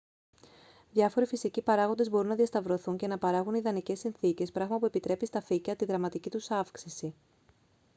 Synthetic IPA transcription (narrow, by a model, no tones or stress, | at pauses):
ðʝɐfo̞ɾifisicipɐɾɐɣo̞nd̪e̞zbo̞ɾunɐðiɐst̪ɐvɾo̞θuɲce̞nɐpɐɾɐɣuniðɐnice̞sinθice̞spɾɐɣmɐpue̞pit̪ɾe̞pist̪ɐficɐt̪iðɾɐmɐt̪icit̪usɐfksisi